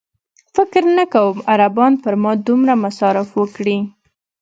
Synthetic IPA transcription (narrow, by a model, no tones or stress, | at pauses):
fɪkɾnəkawəmaɾabɑnpəɾmɑd̪umɾamasɑɾɪfwəkɽi